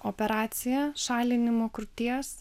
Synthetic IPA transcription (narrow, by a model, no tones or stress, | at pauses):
oːpʲɛɾɑːt̪sʲɪjɛʃɑːlʲɪnʲɪmoːkɾʊt̪ʲiɛs